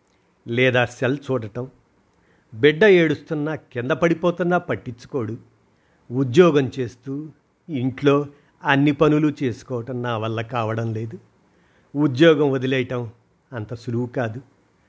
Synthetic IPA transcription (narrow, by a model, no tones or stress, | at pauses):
lɛːd̪aːsɐlt͡ʃuːɽɐʈɐm | biɖːɐeːɽust̪unːakind̪ɐpɐɽipoːt̪unːaːpɐʈːiɲt͡ʃːu̥koːɽu | ud̪jɔːɡɐmt͡ʃe̞ːst̪uː | iɳʈloː | ɐnːipɐnulut͡ʃe̞ːsu̥kɔːʋɐʈɐmnaːʋɐlːɐkaːʋɐɽɐmle̞ːd̪u | ud̪jɔːɡɐmʋod̪ilɛjɐʈɐm | ɐnt̪ɐsuluwukaːd̪u